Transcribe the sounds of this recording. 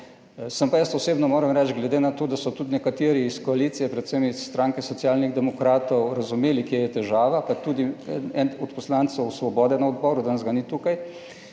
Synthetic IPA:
səmpajəst̪ɔseːbnɔmoːɾɛmɾɛt͡ʃɡlɛd̪enat̪oːd̪asɔt̪ud̪nɛkat̪eːɾiːskɔaliːt̪sijɛpɾɛt̪semisːt̪ɾaŋkɛsɔt̪siaːlniɣd̪ɛmɔkɾaːt̪ɔwɾazumeːlikjejɛt̪ɛʒaːʋapat̪ud̪iɛɛnɔt̪pɔslant̪səwsʋɔbɔːd̪ɛnaɔd̪bɔːɾud̪anɐzɡanit̪ukaj

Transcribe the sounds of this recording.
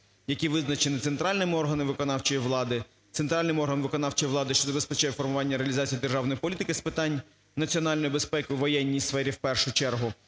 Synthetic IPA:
jɐkʲiʋɪznɐt͡ʃenɪt̪sent̪ɾɑlʲnɪmɪɔrɦɐnɪʋɪkɔnɑwt͡ʃɔjiʋlˠɑd̪ɪ | t̪sent̪ɾɑlʲnɪjɔrɦɐnʋɪkɔnɑwt͡ʃɔjiʋlˠɑd̪ɪʃt͡ʃɔzɐbespɛt͡ʃɛjɛfɔrmʊʋɑnʲːɐɾeɐlʲizɑt͡sʲijid̪erʒɑwnɔjipɔlʲit̪ɪkɪspɪt̪ɑnʲ | nɐt͡sʲiɔnɑlʲnɔjʊbespɛkɪʊʋɔjɛnʲːijsfɛɾʲiwpɛrʃʊt͡ʃɛrɦʊ

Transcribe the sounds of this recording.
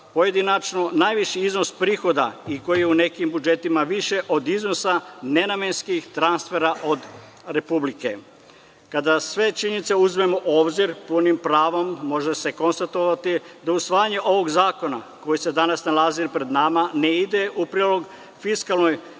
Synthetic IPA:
po̞je̞d̪inat͡ʃnonajʋiʃiizno̞spɾiːxo̞d̪a̰iko̞jijeune̞kimbud͡ʒe̞t̪imaʋiʃe̞ʔo̞d̪iznosane̞name̞nskixt̪ɾanst̪fe̞ɾaʔo̞d̪ | ɾe̞publike̞ | kad̪asʋe̞t͡ʃiɲenit̪seuzme̞mo̞ʔo̞ːbziɾpunimpɾaːʋomːo̞ʒese̞ko̞nst̪at̪o̞ʋat̪id̪ausʋaːjaɲe̞ʔo̞ʋo̞ɡzaːko̞na̰ko̞jese̞d̪anasnalaziɾpɾe̞d̪namane̞id̪e̞ʔupɾiːlo̞ɡ | fiskalˠno̞j

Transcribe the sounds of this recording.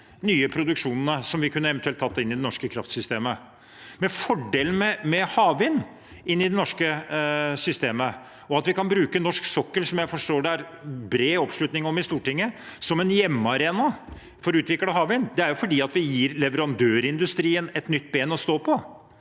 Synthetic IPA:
nyːəpʰɾʊd̪ʉkʂuːnənəsɔmʋɪkʰʉnːəɛʋɛnt̪ʉɛlt̪ʰːɑt̪ːəɪnːɪd̪ɛnɔʂkəkʰɾɑft̪sʏst̪eːmə | mɛfɔɖeːlən̩mɛmɛhɑːʋɪn | ɪnːɪd̪ɛnɔʂkəsʏst̪eːmə | ɔɑt̪ʋɪkɑnbɾʉːkənɔʂksɔkːəlsɔmjæɪfɔʂʈoːɖɛæɾ | bɾeːɔpʂɭʉt̪nɪŋɔmɪst̪uːʈɪŋːəsɔmɛnjɛmːɑɾeːnɑ | fɔɾʉːt̪ʋɪkləɦɑːʋɪnd̪ɛæɾjʊfɔɖiːɑt̪ʋɪjiːɾlɛʋəɾɑnd̪øːɾɪnd̪ʉst̪ɾiːənɛt̪nʏt̪ːbeːnɔst̪oːpʰɔ

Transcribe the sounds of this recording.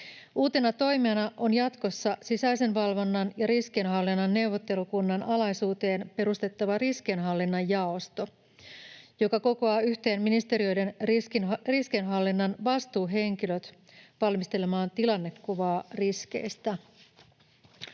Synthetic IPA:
uːt̪e̞nɑt̪o̞jmeɑnɑʔonjɑt̪ko̞sːɑsisæjsenʋɑlʋo̞nːɑnjɑɾisk̟enɦɑlːinːɑnːe̞wʋːo̞t̪ːe̞lukunːɑnʔɑlɑjsuːt̪e̞ːnpe̞ɾust̪e̞t̪ːɑʋɑrisk̟enɦɑlːinːɑjjɑost̪o̞ | jo̞kɑko̞ko̞ɑːyçt̪e̞ːnminist̪e̞ɾio̞jde̞n | riskenɦɑlːinːɑnʋɑst̪uːɦe̞ŋk̟iløt̪ | ʋɑlmist̪e̞le̞mɑːnt̪ilɑnːe̞kːuʋɑːrisk̟e̞̰jst̪æ

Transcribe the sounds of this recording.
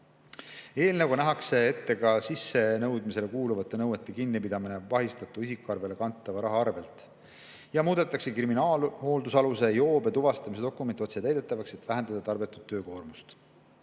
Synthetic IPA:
e̞ːlneɡunæɦɑkse̞et̪ːe̞ɡɑsisːe̞nɤwd̪̥mise̞le̞kuːluvɑt̪ːˑe̞nɤwet̪ːˑe̞kinːipid̪ɑminevɑɦist̪ɑt̪ːˑuisikːˑuɑrve̞le̞kɑnt̪ːˑɑvɑɾɑɦɑɑrve̞lt̪ˑ | jɑmuːd̪̥et̪ːˑɑkse̞kriminɑːlho̞ːld̪usɑluse̞jo̞ːbet̪uvɑst̪ɑmise̞d̪o̞kːˑume̞nt̪io̞t̪se̞t̪æjd̪e̞t̪ˑːɑvɑkset̪ːˑvæɦend̪̥ɑd̪ɑt̪ɑrbet̪ːˑu̥d̪tːø̞ːko̞ːrmust̪

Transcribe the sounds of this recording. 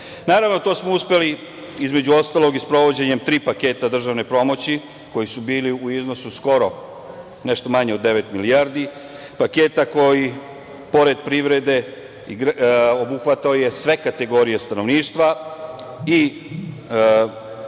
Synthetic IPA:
naːɾaʋno̞t̪o̞ːsmouspe̞li | izme̞d͡ʑuo̞st̪aːlo̞ɡispɾo̞ʋo̞d͡ʑe̞ɲe̞mt̪ɾiːpake̞ːt̪ad̪r̩ʒaʋnepɾo̞mo̞t͡ɕi | ko̞jisubiːliuizno̞susko̞ɾo̞ | ne̞ʃt̪o̞maɲeo̞d̪ːeʋe̞t̪milijaːɾd̪i | pake̞ːt̪ako̞ji | po̞ɾe̞d̪̚pɾiʋɾe̞d̪e̞ | iɡɾobuxʋat̪aoje̞sʋe̞kat̪e̞ɡo̞ɾije̞st̪ano̞ʋniːʃt̪ʋa | i

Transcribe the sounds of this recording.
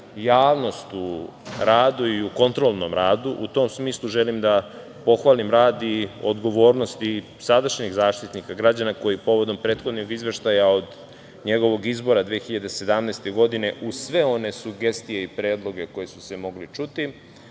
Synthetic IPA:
jaːʋno̞st̪uɾaːd̪uiuko̞nt̪ɾo̞lˠno̞mɾaːd̪uʔṵt̪o̞ːmsmiːslˠuʒelimd̪a | po̞xʋalimɾaːd̪iod̪ɡo̞ʋo̞ːɾno̞st̪i | sad̪aʃɲiɣzaːʃt̪it̪nikaɡɾad͡ʑanako̞jipo̞ʋo̞d̪o̞mpɾe̞ːt̪xo̞d̪noɡizʋe̞ʃt̪ajaod̪ | ɲe̞ɡo̞ʋo̞ɡizbo̞ɾad̪ʋexiʎad̪ese̞d̪amnejst̪e̞ɡo̞d̪ine̞ʔusʋe̞o̞ne̞suɡe̞st̪ijeipɾe̞ːd̪lˠo̞ɡe̞ko̞jesu̥semo̞ɡlit͡ʃut̪i

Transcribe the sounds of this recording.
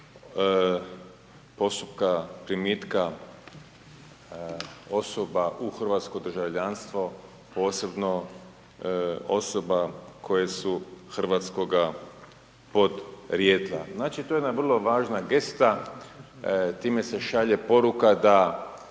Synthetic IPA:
po̞st̪up̚kapɾimit̪ka | o̞sobaʔuxr̩ʋaːt̪skod̪r̩ʒaʋʎanst̪ʋo̞ | po̞ːse̞bno̞ | o̞̰so̞bakʰo̞jesuxr̩ʋat̪sko̞ɡa | po̞d̪ɾjeːd̪la̰znaːt͡ʃit̪ojed̪naʋrlˠo̞ʋaːʒnaɡe̞st̪a | t̪iːme̞se̞ʃaʎe̞po̞ɾukad̪a

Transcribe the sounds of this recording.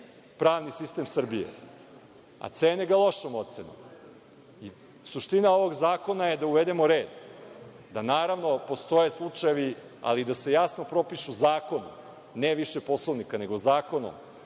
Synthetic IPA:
pɾaːʋnisist̪emsr̩bijḛ | a̰t̪seːneɡalˠo̞ʃomot̪seno̰m | i | suʃt̪inaoʋoɡzaːko̞naje̞d̪auʋed̪emoɾeːd̪ | d̪anaːɾaʋnopo̞st̪o̞jeslˠut͡ʂajeʋi | a̰lid̪ase̞jasno̞pɾo̞piʃuzaːko̞nṵ | neʋiʃepo̞slˠoʋnikane̞ɡozaːko̞no̰m

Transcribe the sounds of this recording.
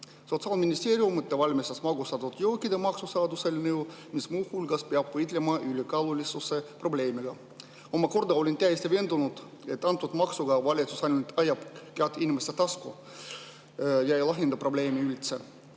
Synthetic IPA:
sot̪sɑːlminʲisʲt̪ʲeːɾʲiumɨt̪ːeʋɑlʲmʲisɑsmɑɡust̪ɑt̪ut̪jowkːid̪emɑksusɑːd̪uselʲnewmismuːhulʲɡɑspeɑpvɤjt̪lʲemɑylʲikɑlulʲisusːeproblʲeːmiɡɑ | omɑkord̪ɑolʲint̪ʲæjsʲt̪eʋeend̪unut̪ | et̪ːɑnt̪ːut̪mɑksuɡɑʋɑlʲit̪susɑnʲnt̪ɑjɑpkeæt̪inʲmesʲt̪et̪ɑsku | jɑejlɑɦend̪ɑproblʲeːmʲiylʲt̪se

